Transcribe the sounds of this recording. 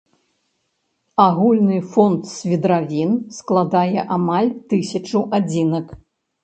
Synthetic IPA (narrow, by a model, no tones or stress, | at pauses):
aɣulʲnɨfɔnt̪sʲvʲid̪ɾavʲinsklˠad̪ajɛʔamalʲt̪ɨsʲɐt͡ʂɐwʔad͡zʲinɐk